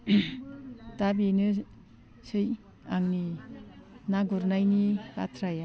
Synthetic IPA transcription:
tabinɯ | sɯj | aŋni | naɡuɾnajnipa̰tʰɾaja

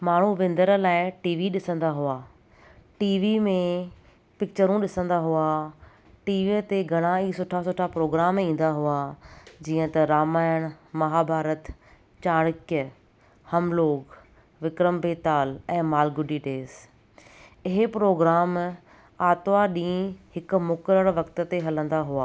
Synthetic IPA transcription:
maːɳ̤uʋɪ̃nd̪əɾlaːɪʈiːʋiɗɪsə̃nd̪aɦʊaː | ʈiːʋimẽ | pɪk̚t͡ɕəɾũɗɪsə̃nd̪aɦua | ʈiːʋit̪eɡʱɐɽ̃aiːsʊʈʰasʊʈʰapɾoːɡɾaːmĩːn̆d̪aɦʊad͡ʑiːə̃t̪ɐɾaːmaːjəɽ̃mɐɦaːbʱaːɾət̪ | t͡ɕaːɽ̃ɪkjə | hɐmloːɡ | ʋɪkɾəmbeːt̪aːlɛ̃ːmaːlɡʊɖiɖeːs | ɪɦɪpɾoːɡɾaːm | aːt̪ʋaɗĩːɦɪkʊ̆mʊkəɾəɽʋɐkt̪ə̆t̪eɦɐlə̃nd̪aɦʊaː

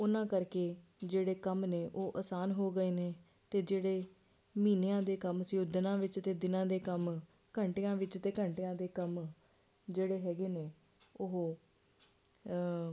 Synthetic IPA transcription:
ʊnãːkəɾkeːd͡ʒeːɽeːkəmneːʔoːʔəsaːnɦoːɡəeːneː | t̪eːd͡ʒeːɽeː | miːnejãːd̪eːkəmsjoːd̪nãːʋɪt͡ʃt̪eːd̪ɪnãːd̪eːkəm | kəɳʈɪjãːʋɪt͡ʃt̪eːkəɳʈjãːd̪eːkəm | d͡ʒeːɽeːɦɛːɡeːneː | ʊɦ

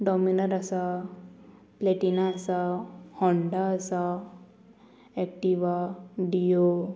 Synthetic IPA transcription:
ɖɔminəɾasa | pleʈinaːsahɔɳɖaːsa | ɛk̚ʈiʋaɖijo

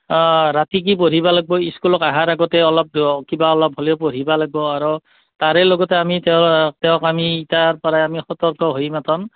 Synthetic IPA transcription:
ɹatik̬ipoɹ̤ibalaɡ̚bɔiskulɔkaɦaɹaɡɔtɛɔlɔp̚kibaɔlɔp̚ɦɔliɔpoɹ̤ibalaɡ̚bɔaɹu | taɹelɔɡɔtɛamittɛɔ̃kamiːtaɹpɔɹaamixɔtɔɹkɔɦojmatʰɔn

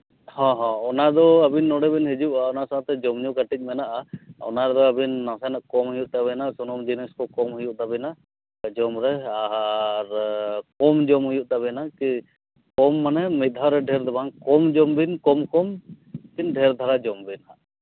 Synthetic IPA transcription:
hɔ̃ɦɔ̃ɔnad̪ɔabinːɔɽɛbinɦid͡ʒuʔaɔnasaat̪ɛd͡ʒɔmɲukaʈic̪̚ˀmɛnaʔaɔ̰naɾɛd̪ɔabinːasanaʔkɔmɦujuʔt̪aβɛnasunɔmd͡ʒiniskɔkɔmɦujuʔd̪abɛna | d͡ʒɔmɾɛaɾkɔmd͡ʒɔmɦujuʔt̪aβɛnaki | kɔmːanɛmiaɾɛɖʱɛɾd̪ɛbaŋkɔmd͡ʒɔmbinkɔmkɔm | kinɖʱɛɾd̪ʱaɾad͡ʒɔmbinaʔ

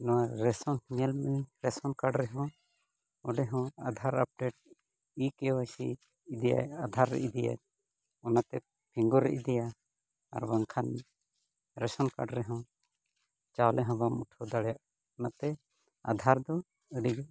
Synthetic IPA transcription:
nɔwaɾɛsɔnhiɲɛlmɛɾɛsɔnkaɖɾɛɦɔ̃ | ɔɖɛɦɔ̃ad̪ʱaɾap̚ɖeʈ̚ | ikɛwajsḭː | d̪ɛja̰jad̪ʱaɾːɛ̰ʔd̪ɛja̰ | ɔnat̪ɛ | pʰiŋɡɔɾːɛ̰ʔd̪ɛja̰ː | ɾbaŋkʰanɛ | ɾɛsɔnka̰ɖɾɛɦɔ̃ | t͡ʃawlɛɦɔ̃bamuʈʰɔd̪aɽɛjaʔ | ɔnat̪ɛ | a̰d̪ʱaɾd̪ɔ | əɖiɡ

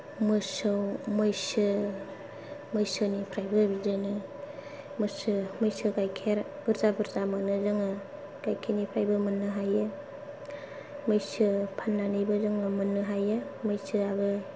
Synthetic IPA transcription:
mɯsɯwmɯjsɯ | mɯjsɯnipʰɾajbɯbizɯŋɯ | mɯsɯmɯjsɯɡajkʰeɾ | bɯɾzabɯɾzamanɯzɯŋɯ | ɡajkʰenipʰɾajbɯmɯnːɯɦajɯ | mɯjsɯpʰanːanɯjbɯzɯŋɯmɯnːɯɦajɯmɯjsɯabɯ

